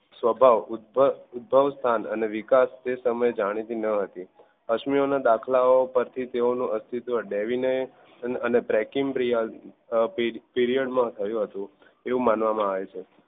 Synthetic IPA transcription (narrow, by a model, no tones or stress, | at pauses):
sʋəbʱaʋ̪̚ | ud̪̚bʱəʋst̪ʰanə̰neʋikast̪esəməed͡ʒaɽ̃it̪inəɦət̪i | əkʃmionad̪akʰlaopəɾt̪ʰit̪eonũʔəst̪ʰit̪ʋəɖeʋinəj | ənebɾɛkimpɾijal | piɾiəɖmãt̪ʰəjũɦət̪ũ | eʋũmanʋamãaʋet͡ʃʰe